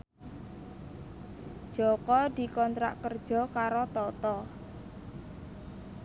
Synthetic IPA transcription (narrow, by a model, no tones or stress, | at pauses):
ʒ̥ɔkɔd̪̥i̤kɔnt̪ɾa̰ʔkərd̥ʒ̥ɔ̤kaɾot̪ɔt̪ɔ